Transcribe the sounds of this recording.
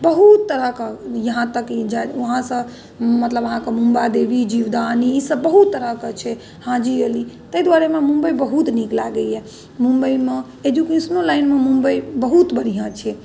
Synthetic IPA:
bəɦut̪ːəɾəkajəɦãt̪əkd͡ʒaɦãsə̃ | mət̪ləbəɦãkemũmbad̪ebid͡ʒiʋd̪aniisəbbəɦut̪ːəɾəkət͡ʃʰɛ | hãd͡ʒiəli | t̪əjd̪waɾememũmbəjbəɦut̪niklaɡəjɛ | mũmbəime | ed͡ʒ̪jukĩsnolaɪnmemũmbəjbəɦut̪bəɾiɦə̃t͡ʃʰɛ

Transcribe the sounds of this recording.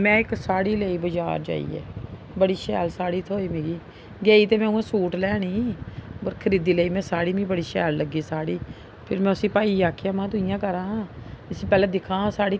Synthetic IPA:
mɛ̃ːɪksaːɽiːləːiːbəd͡ʒa̰ːɾd͡ʒa̰ːḭːɛ̰ː | bəɽiːʃɛːlsaːɽiːt̪ʰoːiːmẽːɡiː | ɡeːiːt̪eːmɛ̃ːuːãːsuːʈlɛːɽiːəɾkʰəɾiːd̪iːləiːmɛ̃ːsaːɽiːmĩːbəɽiːʃɛːlləɡːiːsaːɽiː | pʰɪɾmɛ̃ːʊsĩːpaːiːaːkʰejaːmãːt̪ʊɪjãːkəɾãːɪsĩːpɛːlɛ̃ːd̪ɪkʰãːsaːɽiː

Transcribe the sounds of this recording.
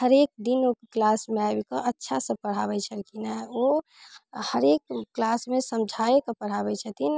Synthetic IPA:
həɾek̚d̪inokklasmeabkəʔətːʃʰasə̃pəɽ̤aβɛt͡ʃʰəɾkinao | həɾek̚ːlasmesəmd͡ʒʱaekəpəɽ̤abɛt͡ʃʰət̪in

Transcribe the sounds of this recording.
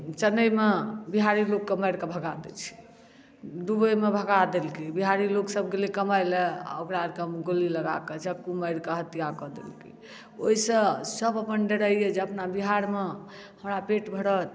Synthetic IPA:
t͡ʃənəjmebiɦaɾilokːeməɪɾkebʱəɡad̪ḛt͡ʃʰi̥ | ɖubəjmebʱəɡad̪elkibiɦaɾiloksəb̚ɡelikəmajlɛ̰əkɾaɾkəmɡoliləɡa̰ket͡ʃʰəkːuməɪɾkeɦət̪ijakɔd̪ḛlkḭ | oisə̃səbəpənɖeɽəijed͡ʒeəpnabiɦaɾme | həmɾapeʈbʱəɽət̪

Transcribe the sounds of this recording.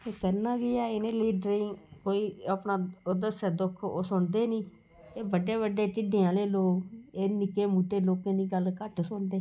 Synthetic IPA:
eːkəɾnãːɡɪjaːɪnẽːliːɖɾɪ̃ːkoːiːaːpnaːod̪əsəd̪ʊkʰo̰ːsʊɳd̪eːniː | eːbəɖeːβəɖːeːt͡ʃɪɖeːãːleːloːɡeːnɪkeːmuːʈeːloːkẽːniːɡəlkəʈsʊnd̪eː

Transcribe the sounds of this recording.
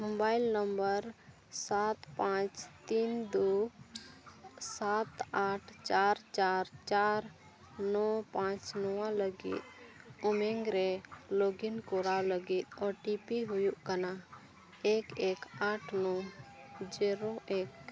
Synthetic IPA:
mobajlnəmbəɾ | sat̪pãt͡ʃt̪ind̪u | sat̪aʈʰt͡ʃaɾt͡ʃaɾt͡ʃaɾ | nɔpãt͡ʃnɔwaləɡḭt̪̚umɛŋɡɾɛloɡinkɔɾaləɡit̪̚ɔʈipiɦujuʔkəna | ekekaʈʰnɔ | d͡ʒɛɾoek

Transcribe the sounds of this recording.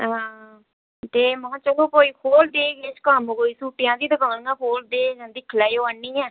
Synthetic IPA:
ɦãː | t̪eːmə̃ãːt͡ʃəkoːpoːiːkʰoːld̪eːɡeːt͡ʃkaːməɡoːiːsuːʈɪjãːd̪iːd̪əɡaːɽə̃ŋɡãːkʰoːld̪eːd͡ʒãːnd̪iːkʰɪlaːioaːnːiːɛː

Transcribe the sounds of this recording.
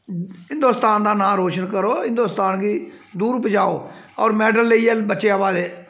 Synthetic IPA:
ɦɪ̃nd̪oːst̪aːnd̪aːnãːɾoːʃənkəɾoːɦɪ̃nd̪oːst̪aːnɡiːd̪uːɾʊpd͡ʒaːoːɔːɾmɛːɖəlːəiːɛːbətːʃeːaːbaːd̪eː

